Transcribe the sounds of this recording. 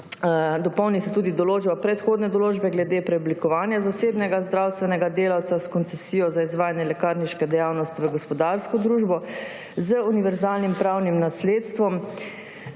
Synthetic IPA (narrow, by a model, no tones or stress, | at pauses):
d̪ɔpɔwnisɛt̪uːd̪id̪ɔloːd͡ʒapɾɛt̪xoːd̪nɛd̪ɔloːd͡ʒbɛɡlɛd̪eːpɾɛɔblikɔʋaːnjazaseːbnɛɡazd̪ɾawst̪ʋɛnɛɡad̪eːlawt̪saskɔnt̪sɛsijɔzaizʋaːjanjɛlɛkaɾniʃkɛd̪ɛjawnɔst̪iʋəɡɔspɔd̪aɾskɔd̪ɾuːʒbɔ | zəuniʋɛɾzaːlnimpɾawnimnasleːt̪st̪ʋɔm